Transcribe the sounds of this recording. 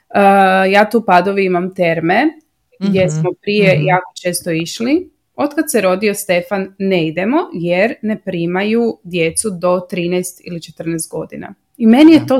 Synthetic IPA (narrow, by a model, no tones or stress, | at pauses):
əjaːt̪uːpad̪oʋiimamt̪e̞ɾme̞ | ɡd̪je̞smo̞pɾijejaːko̞̥t͡ʃe̞ːst̪o̞iʃli | o̞t̪kad̪seɾo̞d̪io̞st̪e̞fanːeid̪e̞mo̞jeɾne̞pɾiːmajud̪je̞t̪sud̪o̞t̪ɾiːnɛjst̪ḭlit͡ʃe̞t̪r̩nɛːst̪̚ɡo̞d̪ḭna̰ | ime̞nijet̪o